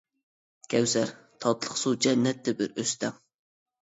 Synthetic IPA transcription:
kʲʰɛwsæɾ | t̪ʰɑt̪lˠəχsud͡ʒɛnːɛt̪ːɛbɪɾøst̪ɛŋ

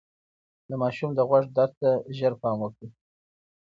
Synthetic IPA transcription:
d̪əmɑʃumd̪əɣwaʐd̪ɑɾt̪aʒəɾpɑmwəkɽi

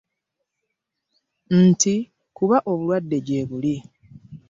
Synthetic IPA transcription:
n̩ti | kuβaʔo̞βulwadːe̞ɟe̞ːβuli

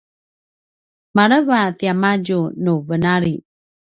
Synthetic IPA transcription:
maɾəvatiamaɟunuvənaɾi

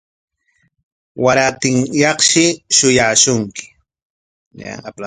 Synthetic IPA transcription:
waɾat̪ɪŋjɑχʃɪʃʊjaːʃʊŋkɪ̥ | na̰ŋapla

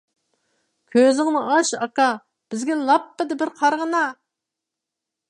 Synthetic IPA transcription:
kʲʰøzɪŋmuɑʃɑkɑ | b̥ɪzɡʲɛlˠɑpːɨd̪ɪbɪɾqʰɑɾʁənɑ

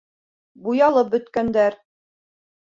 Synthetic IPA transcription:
bujɑlˠɤp̚bɵ̆t̪kænd̪æɾ

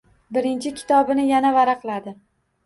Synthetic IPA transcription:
bɪɾɪnt͡ʃʰɪkʲʰɪ̥t̪ʰɒbɪnɪjanavaɾaqɨlˠad̪ɪ

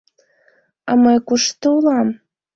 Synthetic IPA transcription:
ɑ̰mɤjkuʃt̪əulɑm

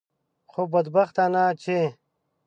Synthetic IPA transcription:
xobɐd̪bɐxt̪aːnaːt͡ɕʰe

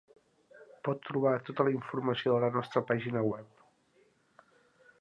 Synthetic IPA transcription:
pɔt̪ːɾuβat̪ot̪ələiɱfurməsioðələnɔst̪ɾəpaʒinəwɛp

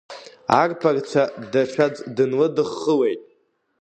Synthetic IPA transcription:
arpʰart͡ʃʷʰadat͡ʃʷᶣʰad͡zʼdɨnlɨdɨχːəlejtʼ

